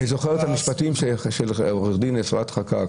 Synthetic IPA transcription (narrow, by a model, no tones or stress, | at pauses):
hizo̞χeʁethamiʃpatimʃeʃelʁeχdinesatχaka